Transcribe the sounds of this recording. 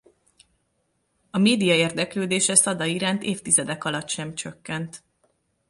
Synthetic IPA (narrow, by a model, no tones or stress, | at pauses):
ɒmeːd̪ijɒeːrd̪ɛkløːd̪eːʃɛsɒd̪ɒiɾaːnt̪eːft̪izɛd̪ɛkɒlɒt̪ːʃɛmt͡ʃøkːɛnt̪